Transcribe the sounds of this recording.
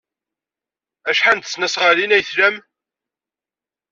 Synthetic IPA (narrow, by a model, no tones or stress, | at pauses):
æʃħant̪ə̥snæsʁəlinæjθlæm